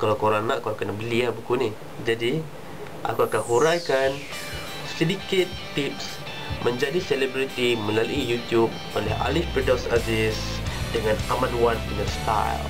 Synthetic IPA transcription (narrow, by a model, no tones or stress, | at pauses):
kalakoɾaŋnaʔkuakanabəliabukuni | d͡ʒadi | ʔa̰kuakanhuɾajkan | sidikɪt̪ːips | mʔə̃ɲd͡ʒadiselebɾit̪iməlaluʔijut̪jub̚ | olɛɦa̰lipidɔsatɪsdəŋanamanwankənast̪a̰j̰l